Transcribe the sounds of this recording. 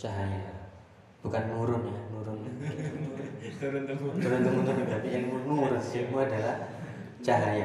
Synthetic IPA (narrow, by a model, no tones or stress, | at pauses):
t͡ʃaɦaja | b̥ukanːuɾʊnjanuɾʊn | t̪uɾʊnt̪aŋuunabapijaŋmunuɾʊnsilmuadalah | t͡ʃaɦaja